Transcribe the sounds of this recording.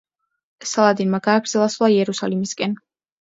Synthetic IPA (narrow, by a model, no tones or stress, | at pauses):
salˠad̪inmaɡaːɡɾd̪zɛlˠaslˠaiɛɾusalimiskʼɛn